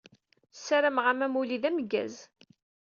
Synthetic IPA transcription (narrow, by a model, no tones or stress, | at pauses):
sːæɾæmʁæmæmuliðæməɡːæ̰z